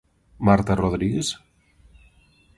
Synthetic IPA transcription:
maɾt̪aroðɾiɣes

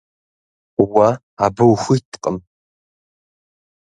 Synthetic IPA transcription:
wa | abɐwxʷitʰqʼəm

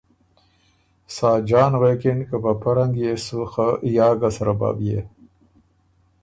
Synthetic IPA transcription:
saːd͡ʒɑːnwekiɳkəpapaɾaŋɡjesuxajɑːɡasaɾaba̰ːbje

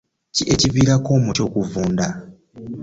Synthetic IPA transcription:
ciʔeciviːɾako̞ːmuco̞ːkuvuːnda

